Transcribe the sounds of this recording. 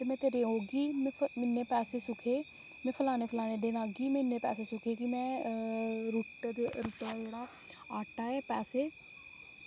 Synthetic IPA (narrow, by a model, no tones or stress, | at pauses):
t̪eːmɛ̃ːt̪eːɾeːɦoːɡiːmːmɪnːeːpɛːseːsʊkʰeː | mɛ̃ːpʰəlaːneːpʰəlaːneːɖeːnaːɡiːmɛ̃nːẽːpɛ̰ːseːsʊkʰeːkɪmɛ̃ː | ɾuːʈːd̪eːɾuːʈaːd͡ʒeːɽaː | aːʈaːɛːpɛːseː